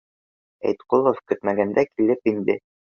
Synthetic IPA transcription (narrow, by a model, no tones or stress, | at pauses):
æ̰jt̪qolˠofkɵt̪mæɡænd̪ækilɘpind̪ɘ